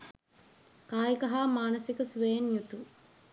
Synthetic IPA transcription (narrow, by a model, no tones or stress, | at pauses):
kaːjikɐɦaːmaːnɐsikəsʋejɐnjut̪u